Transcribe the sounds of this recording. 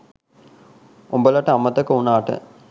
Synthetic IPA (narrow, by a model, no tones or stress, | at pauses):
umbəlɐʈːəamɐt̪ɐkɐunaːʈə̰